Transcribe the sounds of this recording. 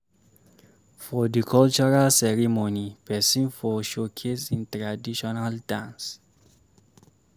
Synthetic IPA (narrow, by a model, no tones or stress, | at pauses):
fɔdikʰɔlt͡ʃɔɹalsɛɹimonipʰɛsĩnfɔʃokʰesĩntɹadiʃɔnaldãns